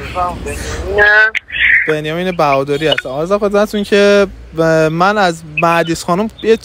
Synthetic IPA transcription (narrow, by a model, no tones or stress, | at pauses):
anæb̥enjɒmiːnebæɣɒːd̪ɒɾiːhæst̪ænɒːɾzæmxod̪mæt̪ʰuncʰe | mænæzmæd̪isxɒːnumje